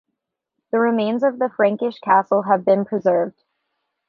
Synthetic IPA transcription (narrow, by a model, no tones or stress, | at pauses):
ðɨɹɨmẽɪ̃nzʌvðɨfɹæ̃ŋkɨʃkʰæsl̩ˠəvbɨ̃npʰɹ̥ɨzɜ˞vd̥